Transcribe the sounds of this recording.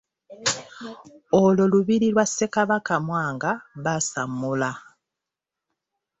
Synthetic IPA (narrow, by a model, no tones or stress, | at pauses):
ololuβiɾilwasːe̞kaβakamwaːŋɡaβasamːula